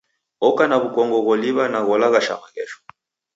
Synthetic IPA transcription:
ɔkanaβukɔŋɡɔɣɔliβanaɣɔlaɣaʃa̰maɣɛʃɔ̥

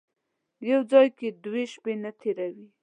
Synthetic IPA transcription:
jawd͡zɑjked̪weʃpenat̪ʰeɾawi

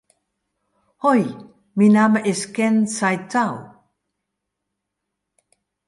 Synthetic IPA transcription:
hoj | minaməʔiskensajtaw

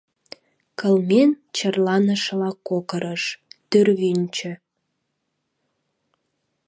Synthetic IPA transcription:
kəlmen | t͡ɕərlɑnəʃlɑkːokəɾəʃt̪yrβynʲt͡ɕø̆

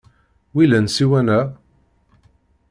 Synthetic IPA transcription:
wilænsiwænæ

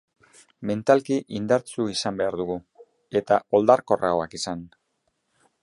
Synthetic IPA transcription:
me̞nt̪alkiʔind̪aɾt͡suisambe̞aɾðuɣu | e̞t̪ao̞ld̪aɾko̞rʔaoakisan

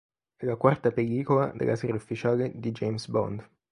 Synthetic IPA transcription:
ɛlakwart̪apeliːkolad̪ḛlːʔa̰sɛɾaufːit͡ʃaːled̪id͡ʒejmsbɔ̰nd̪

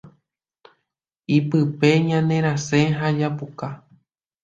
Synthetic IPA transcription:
ipɨpe̞ɲãnẽ̞ɾ̃ãsẽɦad͡ʒapuka

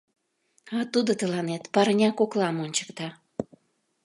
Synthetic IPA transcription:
ɑt̪ud̪ot̪əlɑnet̪pɑɾənʲɑkoklɑmonʲt͡ɕə̥kt̪ɑ

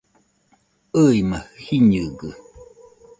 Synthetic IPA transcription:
əimahhiɲɨɡɯ

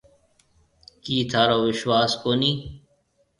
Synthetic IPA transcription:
kiːt̪ʰaːɾoːʋɪʃwaːskoːniː

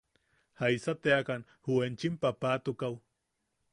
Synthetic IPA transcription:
hajsat̪eakan | huent͡ʃimpapaːt̪ukaw

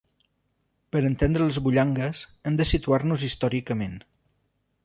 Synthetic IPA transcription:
pəɾənt̪end̪ɾələzβuʎaŋɡəzəmd̪əsit̪uaɾnuzist̪ɔɾikəmen

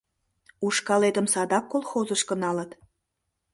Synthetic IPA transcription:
uʃkɑlet̪əmsɑd̪ɑkːolˠxozəʃkə̆nɑlət̪

